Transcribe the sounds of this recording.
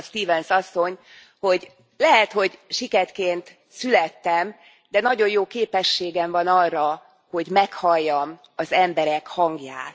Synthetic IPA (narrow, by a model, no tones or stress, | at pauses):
st̪iːvɛnsɒsːo̞ɲ | ho̞ɟ | lɛɦɛt̪ho̞ɟʃikɛrkeːnt̪ | sylɛt̪ːɛm | d̪ɛnɒɟo̞jjoːkeːpɛʃːeːɡɛɱvɒnɒrːɒ | ho̞ɟmɛkhɒjːɒm | ɒzɛmbɛɾɛkhɒŋɡja̰ːt̪